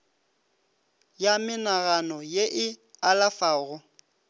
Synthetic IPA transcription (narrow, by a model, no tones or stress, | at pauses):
jamɪnaɣanɔjeʔɪalafaːɣʊ